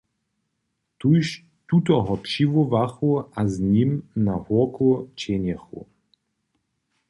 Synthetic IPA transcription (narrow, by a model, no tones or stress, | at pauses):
t̪uʃ | t̪ut̪ɔɦɔpʂivuvaxuaznimnahɔɐkut͡ɕɛnɛxṵ